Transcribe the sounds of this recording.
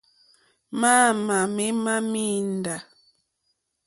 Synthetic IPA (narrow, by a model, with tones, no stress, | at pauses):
maː˦ma˨mi˦ma˦mi˦n˨da˨